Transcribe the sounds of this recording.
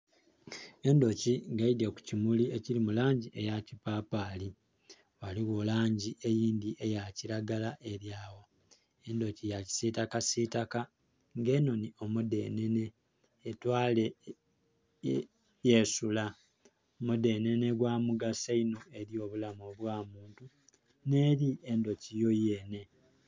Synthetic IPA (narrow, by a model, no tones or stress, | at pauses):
e̞ndo̞ciŋɡaideku̥cimuliecilimulaːɲɟiʔe̞jacipapali | waliɣolaːɲɟie̞jiːndiʔe̞jaciɾaɡalaʔe̞ɾjaːwo | endo̞cijaci̥sitakasiːtaka | ŋɡeno̞nio̞mude̞̰ːne̞ne̞ː | twaːle | jesula | mude̞ːne̞ne̞ɡwaːmuɡasaino̞e̞ɾjo̞ːβulamoβwaːmuːntu | ne̞ːɾie̞ndo̞cijo̞jeːne̞